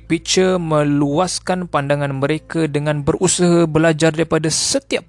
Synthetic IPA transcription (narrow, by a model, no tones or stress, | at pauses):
pit͡ʃəmə̃luaskanpandaŋãnmə̃ɾekadəŋãnbərʔusaɦabəlad͡ʒardaɾipadasət̪iap̚